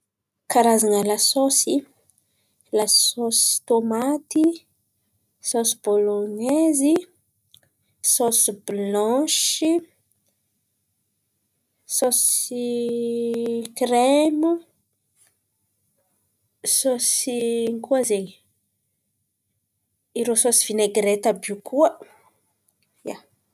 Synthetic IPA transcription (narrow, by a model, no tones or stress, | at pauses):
kaɾazanəlasosi | lasosi̥t̪omat̪i | sosi̥bolonezi | sosiblɔ̃ʃi | sosi | kremu | sosiŋkuazeɲ | iɾososi̥v̥ineɡɾet̪abukʰuə | ja